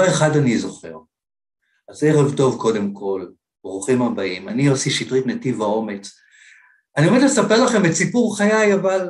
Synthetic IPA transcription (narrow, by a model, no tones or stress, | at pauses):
eχadanizo̞χe̞̰ʁ | azeʁevto̞vko̞de̞mkʰo̞l | bʁuχimhabaimaniosiʃitʁitnativao̞me̞t͡s | aniemetlesape̞ʁlaχe̞metsipuʁχajajaval